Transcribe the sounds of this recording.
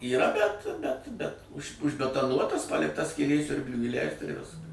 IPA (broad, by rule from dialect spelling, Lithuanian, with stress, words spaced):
iːˈrɐ bʲɛt bʲɛt bʲɛt ʊʃ ʊʒʲbʲɛtɐˈnuɔtɐs ˈpɑːlʲɪktɐ sʲkʲiːˈlʲeː ˈsʲʊrʲbʲlʲʊɪ iːˈlʲɛɪst ɪr ˈʋʲɪskɐs